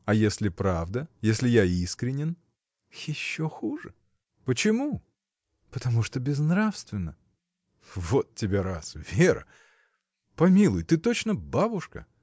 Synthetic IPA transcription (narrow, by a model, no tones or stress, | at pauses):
ɐjesʲlʲɪpɾavd̪əjesʲlʲɪjaiskɾʲɪnʲɪn | jɪɕːoxuʐɨ | pət͡ɕɪmu | pət̪ɐmuʂt̪obʲɪznɾafst̪vʲɪnːə | vot̪tʲːɪbʲeɾasvʲeɾə̰ | pɐmʲilˠʊjt̪ɨt̪ot͡ɕnəbabʊʂkə̰